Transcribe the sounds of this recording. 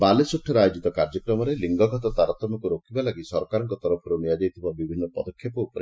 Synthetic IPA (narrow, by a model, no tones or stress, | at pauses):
balesuʈʰːɔɾajod͡ʒit̪ɔkaɾd͡ʒɔkɾɔmɔɾeliŋɡɔɡʱɔt̪ɔt̪aɾɔt̪ːɔmɔkuɾokʰibalaɡisɔɾɔkaɾɔŋkɔt̪ɔɾɔpʰɔɾunijad͡ʒajt̪ʰibɔbibʱinːɔpɔd̪ɔkʰːjɔpɔupɔɾe